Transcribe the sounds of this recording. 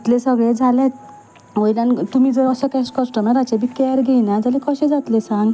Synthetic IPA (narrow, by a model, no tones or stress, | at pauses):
t̪lesəɡɭed͡zʱalẽ | ʋojlant̪umid͡zəːsəkɛskɔsʈɔmnaɾat͡ɕabikɛɾɡejnad͡zʱalẽkɔɕẽd͡zat̪lesãŋɡ